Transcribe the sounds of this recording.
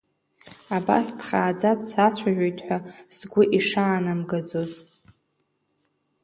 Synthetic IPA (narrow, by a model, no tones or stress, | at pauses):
aba̰sdχaːd͡zadsat͡ɕʷʰaʒᶣʷojtʰħʷaz̥ɡʷʊʔiʂaːnamɡad͡zoz